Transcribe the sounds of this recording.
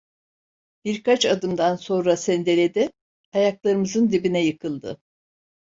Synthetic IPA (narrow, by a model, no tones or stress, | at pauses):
b̥iɾkʰat͡ʃad̪ɯmd̪anso̞nɾasɛnd̪e̞lʲed̪ɪ | ajaklˠaɾɯmɯzɯnd̪ibinɛjɯkʰɯlˠd̪ɯ̰